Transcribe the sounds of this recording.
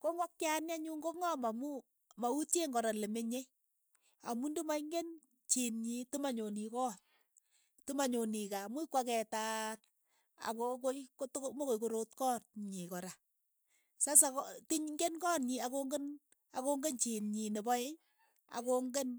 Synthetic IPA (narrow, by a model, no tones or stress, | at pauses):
koŋwakkjanaɲuŋɡoŋɔmamu | mauteŋɡɔɾalemeɲej | a̰mundumaiŋɡen | t͡ʃinɲitumaɲonikɔn | tumaɲonikamuikwakɛtar | a̰kokootmokojkoɾotkɔːnɲikɔɾa | sas̬aktiɲŋɡenkɔːnɲiakoŋɡen | akoŋɡent͡ʃinɲinebɔe | a̰koŋɡen